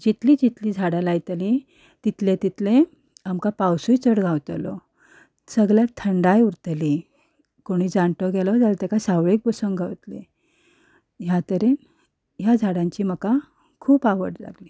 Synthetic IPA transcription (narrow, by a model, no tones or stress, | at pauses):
d͡ʑit̪liːd͡ʑit̪liːd͡zʱaɽalajt̪li | t̪it̪lẽt̪it̪lẽ | amkapawsujt͡səɽɡʱawt̪lɔ | səɡɭjat̪ʰəɳɖajuɾt̪li | koɽ̃iːd͡zaɳt̪ɔɡɛlɔd͡zalt̪akasawɭek̚bəsəŋɡʱawt̪le | jat̪əɾe | jad͡zʱaɽãɲt͡ɕiːməka | kʰuːpaʋə̰ɽla̰ɡliː